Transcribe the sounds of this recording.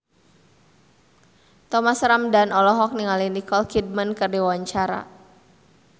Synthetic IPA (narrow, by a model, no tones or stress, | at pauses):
t̪ɔmasɾamdanɔlɔɦɔk̚niŋalinikɔlkid̚mənkərdiwaɲt͡ʃaɾa̰